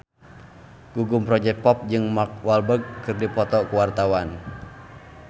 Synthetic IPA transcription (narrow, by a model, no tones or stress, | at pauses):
ɡ̥uɡumpɾɔd͡ʒɛk̚t̪̚pɔp̚d͡ʒɨŋmak̚walbəɡ̚ːɨrdipɔt̪ɔkuwart̪awan